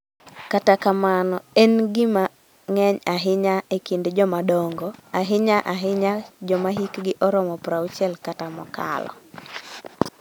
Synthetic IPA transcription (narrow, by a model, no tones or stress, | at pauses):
katakamanɔɛnɡɪma | ŋɛɲaɦɪɲaekindd͡ʒɔmadɔŋɡɔaɦɪɲaʔaɦɪɲad͡ʒɔmaɦikɡɪʔɔɾɔmɔpɾaut͡ʃɛlkatamɔ̰ka̰lɔ̰